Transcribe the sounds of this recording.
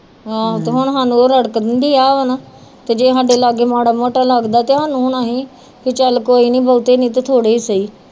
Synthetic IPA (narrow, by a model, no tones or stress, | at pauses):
ɦãːt̪eːɦʊɳɦaːnũoːɾəɽkd̪ənd̪iːaːʋənaː | t̪eːd͡ʒeːɦaːɖeːlaːɡeːmaːɽaːmoːʈaːlaɡd̪aːt̪eːɦaːnũːɦʊɳaːɦiː | kɪt͡ʃəlkoːiːnĩːbəːt̪eːnĩːt̪et̪ʰoːɽeːiːsəiː